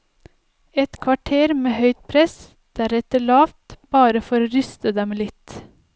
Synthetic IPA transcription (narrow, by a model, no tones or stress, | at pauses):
ɛt̪kʰʋɑʈʰeːɾmeːhœʏt̪̚pʰɾɛs | d̪̥æɾɛt̪əɭɑːft̪b̥ɑːɾəfɔɾɾʏst̪əd̪ɛmlɪt̪